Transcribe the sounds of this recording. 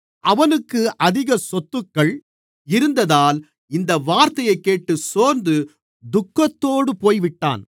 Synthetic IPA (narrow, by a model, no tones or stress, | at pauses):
ʔɐʋɐnɯkːɯʔɐðɪɣɐsɔt̪ːɯkːɐɭ | ɪɾɯnd̪ɐðaːl | ɪnd̪ɐʋaːɾt̪ɐjɐɪkːeːʈːɯsoːɾnd̪ɯ | d̪ʊkːɐt̪ːoːɽɯpoːjʋɪʈːa̰ːn